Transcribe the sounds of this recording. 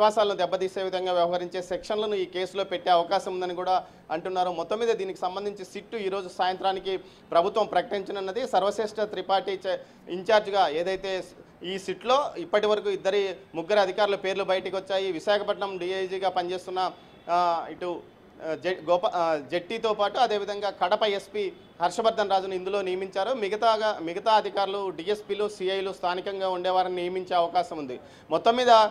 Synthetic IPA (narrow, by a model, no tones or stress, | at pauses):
iʋaːsaːlɐnud̪ɛbːɐt̪iːse̞ːʋid̪ʱɐŋɡaːʋjɐʋɐɦɐɾiɲt͡ʃe̞ːsekʂɐnlɐnuiːke̞ːsulo̞ːpeʈːe̞ːɐʋɐkaːʃɐmund̪ɐnikuːɽaː | ɐɳʈunːaːɾumɔt̪ːɐmːiːd̪ɐd̪iːniki̥sɐmbɐnd̪ʱiɲt͡ʃisiʈːuiːɾo̞ːd͡ʒusaːjɐnt̪ɾaːniki | pɾɐbʱut̪ʋɐmpɾɐkɐʈiɲt͡ʃinɐnːɐd̪isɐɾʋɐseːʂʈɐt̪ɾipaːɾʈit͡ʃ | iɲt͡ʃaːɾd͡ʒɡaːe̞ːd̪ɐjt̪e̞ː | iːsiʈlo̞ːipːɐʈiʋɐɾɐkuːid̪ːɐɾimuɡːɐɾɐɐd̪ʱikaːɾulupe̞ːɾlubɐjɐʈɐkiʋɔt͡ʃːaːjiʋiʃaːkʰɐpɐʈɳɐmɖiːed͡ʒiːɡaːpɐnt͡ʃe̞ːst̪unːɐ | iʈu | d͡ʒɡɔːpɐd͡ʒeʈːiːt̪o̞ːpaːʈuɐd̪eːʋid̪ʱɐŋɡaːkɐɽɐpɐe̞spiː | hɐɾʂɐbɐɾd̪ʱɐnɾaːd͡ʒunind̪ulo̞ːnijɐmiɲt͡ʃaːɾumiɡɐt̪amiɡɐt̪aːɐd̪ʱikaːɾuluɖiːespiːluːsiɐjlust̪ʰaːnikɐŋɡaːuɳɖɛːʋaːɾininijɐmiɲt͡ʃe̞ːɐʋɐkaːʃɐmund̪i | mɔt̪ːɐmːiːd̪ɐ